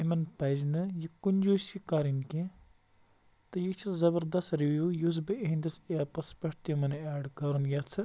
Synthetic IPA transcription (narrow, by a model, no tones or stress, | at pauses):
imɐnpɐznɨjikunʲd͡ʒuːsikaɾinkẽ | t̪ɨjikt͡ʃʰɐzɐbɐɾd̪ɐst̪ɾiʋjuːjus̬bɨeɦinʲd̪ɐseapɐspɐʈt̪imɐnaːɖkɐɾunjɐt͡sʰɨ